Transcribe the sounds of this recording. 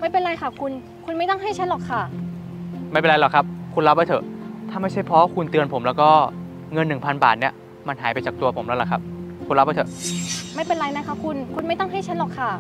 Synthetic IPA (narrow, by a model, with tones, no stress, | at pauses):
ma˥˩jpe˧nɾa˧jkʰa˥˩kʰu˧n | kʰu˧nma˥˩jt̪a˥˩ŋɦa˥˩jt͡ɕʰa˦˥nlɔː˨˩kʰa˥˩ | ma˥˩jpe˨ɾa˧lɔ˨˩kʰa˦˥p̚kʰu˧nlɾa˦˥p̚ha˥˩t̪ʰɤ˧˩t̪ʰaː˥˩ma˥˩t͡ɕʰa˥˩jpʰɾɔ˦˥kʰu˧nt̪ɯ˧ənpʰo˩˦mlɛː˦˥wkɔː˥˩ | ŋɤ˧nːɯ˨˩ŋpʰa˧nba̰ː˨˩t̪̚ni˦˥˩ɐ | ma˧nɦaː˩˦jpa˧jt͡ɕaː˨˩k̚t̪u˧ɐpʰo˩˦mlɛ˦˥la˨˩kʰa˦˥p̚kʰu˧nɾa˦˥ha˥˩t̪ʰɤ˩˨ma˥˩jpe˧nɾa˧jna˦˥kʰa˦˥˩kʰu˧nkʰu˧nma˥˩jt̪a˥˩ŋɦa˥˩jt͡ɕʰa˦˥nlɔː˨˩kʰːa˥˩